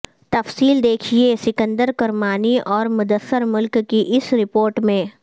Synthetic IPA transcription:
t̪ɐfsiːld̪eːkʰiesɪkə̃nd̪əɾkɐɾmaːniʔɔːɾmʊd̪əsːəɾmʊlkːiʔɪsɾɪpoːɾʈmẽː

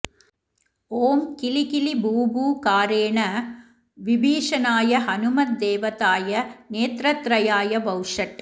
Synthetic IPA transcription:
oːmkɪlikɪlibuːbuːkaːɾeːɳɐ | ʋɪbiːʂɐnaːjɐɦɐnɯmɐt̪̚d̪eːʋɐt̪aːjɐneːt̪ɾɐt̪ɾɐjaːjɐbɐwʂɐʈ

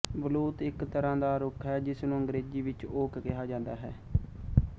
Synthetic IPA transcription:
bəluːt̪ɪkt̪əɾãːd̪aːɾʊkʰɦɛːd͡ʒɪsnũːəŋɡɾeːd͡ʒiːʋɪt͡ʃoːkkɪɦaːd͡ʒãːnd̪aːɦɛː

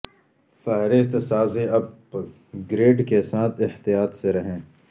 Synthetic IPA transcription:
fɛɦɾɪst̪saːzẽɐb̚ | ɡɾeːɖkesaːt̪ʰɪht̪ijaːt̪seɾɐɦẽː

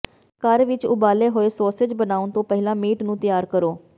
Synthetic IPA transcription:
kəɾʋɪt͡ʃʊbaːleːɦoːeːsɔːsed͡ʒbənaːʊnt̪õːpɛɦɪlãːmeːʈnũːt̪ɪjaːɾkəɾoː

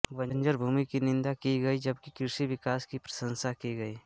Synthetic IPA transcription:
ʋɐɲd͡ʒəɾbʱuːmikinɪ̃nd̪akiɡɐid͡ʒɐb̚kikɪɾʃiʋɪkaːskipɾɐ̥sə̃nsakiɡɐiː

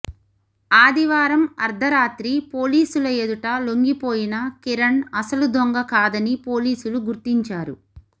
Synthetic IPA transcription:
aːd̪iʋaːɾɐmɐɾd̪ʱɐɾaːt̪ɾipo̞ːliːsulɐjed̪uʈɐloŋɡipo̞ːjinɐkiɾɐɳɐsɐlud̪ʱoŋɡɐkaːd̪ɐnipoːliːsuluɡuɾt̪iɲt͡ʃaːɾṵ

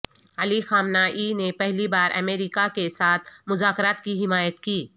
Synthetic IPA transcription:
ɐlixaːmnaʔiːnepɛɦlibaːɾɐ̰meːɾiːkakesaːt̪ʰmʊzaːkɾaːt̪kiɦɪmaːjət̪kiː

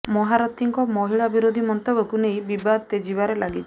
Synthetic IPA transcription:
mɔɦaɾɔt̪iŋkɔmɔɦiɭabiɾod̪ʱimɔnt̪ɔbɔkunejbibad̪̚t̪ed͡ʒibaɾelaɡit͡ʃʰ

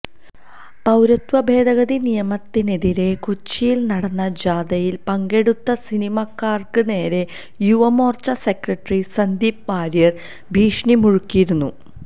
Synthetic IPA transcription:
t̪ɐwɾɐt̪ʋɐbʱe̞ːd̪ɐɣɐðinijɐmɐt̪ːine̞ðiɾe̞kot͡ɕːijilnɐɽɐnːɐd͡ʑaːd̪ɐjilpɐŋɡe̞ɽut̪ːɐsinimɐkːaːrkɨne̞ːɾe̞ | juʋɐmoːrt͡ɕɐsekrɐʈrisɐnd̪iːp̚ʋaːɾijɐr | bʱiːʂɳimuɻukːijiɾunːu

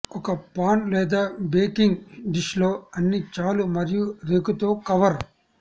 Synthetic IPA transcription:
ɔkɐpaːnlɛːd̪aːbeːkiŋɡɖiʃlo̞ːɐnːit͡ʃaːlumɐɾijuɾeːkut̪oːkɐʋɐɾ

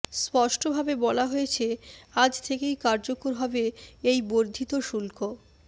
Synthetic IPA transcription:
spɔʃʈobʱabebɔlaɦojet͡ɕʰead͡ʑt̪ʰekejkaɾd͡ʑokoɾɦɔbeejboɾd̪ʱit̪oʃulko

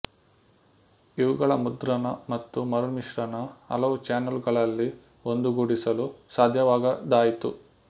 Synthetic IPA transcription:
iʋuɡɐɭɐmud̪ɾɐnɐmɐt̪ːumɐɾuniʂɾɐnɐɐ̰lɐʋut͡ʃaːnɐlɡɐɭɐlːi | ond̪uɡuɽisɐlusaːd̪ʱjɐʋaːɡɐd̪aːjit̪u

